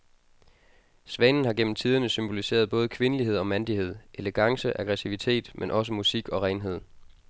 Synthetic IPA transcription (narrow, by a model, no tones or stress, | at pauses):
sʋɛːnn̩hɑ̈ɡ̥en̰m̩t͡sʰið̞ˠɐnəsymb̥o̝lise̝̰ːɐð̞ˠb̥ɔ̽ːð̞̩ˠəkʰʋe̝nəliɦe̝ð̞̰ˠɒ̽mænd̥iɦe̝ð̞̰ˠʔeleɡ̥ɑ̈ŋsəʔɑɡ̥ʁɛsiʋit͡sʰe̝̰ːd̥mʔenʔɒ̽s̬əmusiɡ̥ɒ̽ʁɛɪnɦe̝ð̞̰ˠ